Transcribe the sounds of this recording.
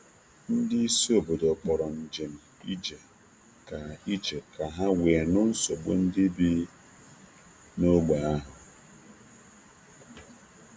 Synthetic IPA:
n̩˦dɪ˦i˦si˦o˨bo˨dɔ˨k͡pɔ˨ɾɔ˨n̩˨d͡ʒe˨m̩˨i˦d͡ʒe˨ | ka˨i˦d͡ʒe˨ka˨ɦa˦weː˨nʊ˦n̩˦so˨ɡ͡bo̰˦n̩˦dɪ˦bi˦ | no˦ɡ͡ba˨a˦ɦʊ˨

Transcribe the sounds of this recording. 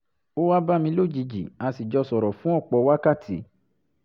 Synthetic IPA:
o˦wa˦ba˦mĩ˧˦lo˦˨d͡ʒi˨˧˦d͡ʒi˨a˨˧si˨d͡ʒɔ˧sɔ˨ɾɔ˨fũ˦ɔ˦˨k͡pɔ˧˦wa˦ka˦˨tʰi˨˦

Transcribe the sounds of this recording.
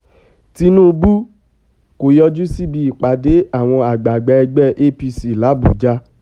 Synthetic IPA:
ti˧˦nũː˦˧bu˦ | ko˨jɔ˧d͡ʒu˦si˦bi˧i˨k͡pa˨de˨˦a˦˨w̃ɔ̃˧a˨ɡ͡ba˨ɡ͡bɛ˧ɛ˧ɡ͡bɛ˦˨ʔe˦pi˧si˨la˨˦bṵ˨d͡ʒa˧

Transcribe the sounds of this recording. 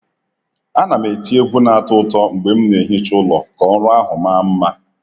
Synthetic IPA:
a˦na˨me˨ti˦e˦ɡʷu˦na˨a˦˨tʊ˦tɔ˦ŋ͡m̩˨ɡ͡be˨m̩˦ne˨ɦi˦t͡ʃʊ˦lɔ˨kɔ˨˦ɾʊ˦a˦ɦʊ˨ma˦m̩˦ma˦

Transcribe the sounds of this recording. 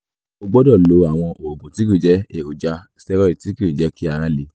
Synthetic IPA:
o˧ɡ͡bɔ˦dɔ˦˨lo˨˦a˨w̃ɔ̃˧o˨o˨ɡũ˨ti˨˦ki˦˨d͡ʒɛ˨˦e˨o˨d͡ʒa˧˦sɛ˦ɾɔ˦i˦˨ti˨˦ki˦ɾi˨d͡ʒɛ˨˦ki˦a˨ɾã˦le˧˦

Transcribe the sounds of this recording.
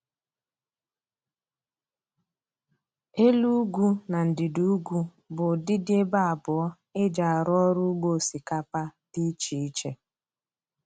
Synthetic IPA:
e˦lu˦ɡʷu˦na˨n̩˨dɪ˨du˨˦u˦ɡʷu˦ | bʊ˨dɪ˦dɪ˦e˦ba˦a˨bʊ˨ɔ˦ | e˦d͡ʒa˨a˨ɾɔ˦ɾʊ˦ɡ͡bo˦˨si˨ka˦pa˦ti˦t͡ʃi˨i˦t͡ʃe˦

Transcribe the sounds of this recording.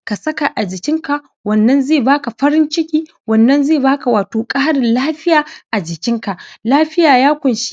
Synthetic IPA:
ka˨sɐ˦ka˨ʔa˨d͡ʒɪ˨kʲɪ˦ŋka˨ʔ | wɐ˨nːɐ˦nzeː˦˨baː˦ka˨ɸɐ˦ɾɪ˦nt͡ʃɪ˦kʲiː˦ | wɐ˨nːɐ˦nzeː˦˨baː˦ka˨waː˨toː˨kʼaː˦ɽɪ˨nlaː˦ɸɪ˦jaː˨ʔa˨d͡ʒɪ˨kʲɪ˦ŋka˨laː˦ɸɪ˦jaː˨jaː˦kʷʊ˨nʃi̥˦

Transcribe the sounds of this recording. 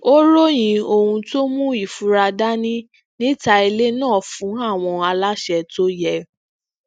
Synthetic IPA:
o˦ɾo˦j̃ĩ˧o˧hũ˧to˦mũ˦i˦˨fu˨˦ɾa˧da˦nĩ˦ | nĩ˦ta˧i˧le˦nãː˦˨fũ˨˦a˦˨w̃ɔ̃˧a˧la˦ʃɛ˧to˦jɛ˦˨

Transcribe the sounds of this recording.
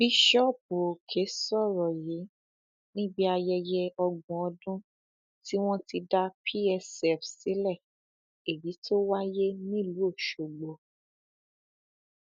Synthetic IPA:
bi˦ʃɔ˦˨p̚u˨o˨kʰe˨˦sɔ˦˨ɾɔ˨je˨˦ | nĩ˦bi˦a˧jɛ˧jɛ˧ɔ˧ɡũ˨ɔ˧dũ˦ | ti˦w̃ɔ̃˦ti˧da˦pʰi˦ɛ˧sɛ˨fsi˨˦lɛ˦˨ | e˨bi˨˦tʰo˦wa˦je˦nĩ˦˨lu˨˦o˦˨ʃo˨ɡ͡bo˨

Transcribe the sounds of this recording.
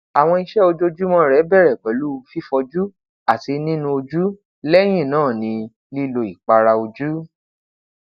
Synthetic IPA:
a˨w̃ɔ̃˧i˧ʃɛ˦o˧d͡ʒo˦d͡ʒu˦mɔ̃˦˨ɾɛ˨˦bɛ˦˨ɾɛ˨ɡ͡bɛ˨˦lu˦˧fi˦fɔ˧d͡ʒu˦ | a˦˨ti˧nĩ˦nũ˧o˧d͡ʒu˦ | lɛ˦j̃ĩ˦˨nãː˦˨nĩ˧ | li˦lo˧i˨k͡pa˧ɾa˧o˧d͡ʒu˦

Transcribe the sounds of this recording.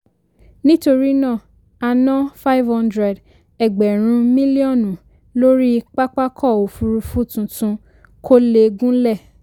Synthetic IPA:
nĩ˦to˧ɾi˦nã˦˨ | a˧nɔ̃˦fa˦i˦vhɔ̃˦ndɾɛ˨d | ɛ˨ɡ͡bɛ˨ɾ̃ũ˧mĩ˦li˦ɔ˦˨nũ˨ | lo˦ɾi˦k͡pa˦k͡pa˦kʰɔ˦˨o˨fu˧ɾu˧fu˦tũ˧tũ˧ | kʰo˦le˧ɡũ˦lɛ˦˨

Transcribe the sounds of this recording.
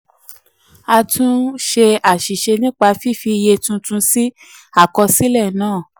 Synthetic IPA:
a˧tũ˦ʃe˧a˨ʃi˨ʃe˧nĩ˦k͡pa˧fi˦fi˧je˧tũ˧tũ˧˦si˦ | a˦˨kɔ˧si˦lɛ˦˨nãː˦˨

